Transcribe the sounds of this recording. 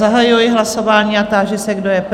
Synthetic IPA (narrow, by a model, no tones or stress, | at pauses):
aɦajujɪɦlaso̞vaːɲiːat̪aːʒɪsɛɡdojɛp